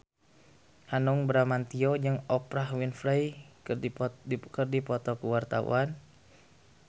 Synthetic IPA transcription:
hanɔŋbɾamant̪iɔd͡ʒɨŋɔpɾahwinfɾaj | kərdipɔt̪ɔkuwart̪aṵan

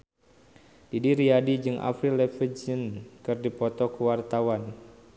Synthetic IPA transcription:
didiɾiadid͡ʒɨŋʔa̰fɾilɛfəd͡ʒənkɨrdipɔt̪ɔkəwart̪awan

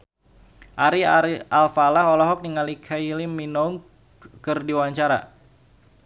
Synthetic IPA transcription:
ʔaɾialfalahɔlɔɦɔk̚niŋalikʰailiminɔŋ | kɨrdiwaɲt͡ʃaɾa̰

